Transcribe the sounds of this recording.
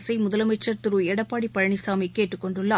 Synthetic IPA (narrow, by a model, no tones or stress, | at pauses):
sɐɪmʊðɐlɐmɐt͡ʃːɐɾt̪ɯɾuːɛɽɐpːaːɽipːɐɻɐɳisaːmɐkːeːʈːɯkːɔɳɖɯɭːaː